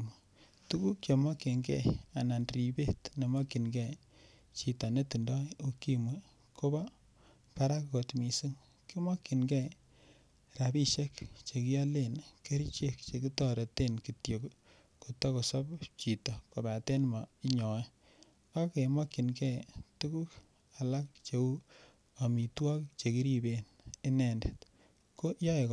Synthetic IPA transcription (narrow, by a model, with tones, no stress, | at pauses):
m˨ | tu˦ku˦k̚t͡ʃe˨mɔ˦ki˨ŋɡɛ˦˨a˨na˨nri˨be˦tne˨mɔ˦ki˨nɡɛ˦ | t͡ʃi˨tɔ˨ne˦ti˨ndɔ˦o˨ki˦mwe˦ | ko˦ba˦ | pa˦ɾa˦kko˨tmi˨si˦ŋ | ki˦mɔ˦kːi˨nɡɛ˦ | ra˨bi˦ʃe˦kt͡ʃe˨ki˦ja˦le˦˨nke˦ɾit͡ʃe˦kt͡ʃe˨ki˦tɔ˦ɾe˨te˦nki˨tjo˨k | ko˨tɔ˦ko˨sɔ˦pt͡ʃi˨tɔ˨ko˨ba˨te˦nma˨i˦ɲɔ˨ɛ˦ | ka˦ke˨mɔ˦kːi˨nkɛ˦tu˦ku˦k | a˨la˦k̚t͡ʃe˨u˦ | a˨mi˨twɔ˦kt͡ʃe˨ki˦ɾi˦be˨ni˦nɛ˨nde˨t | ko˦jɔ˦e˨k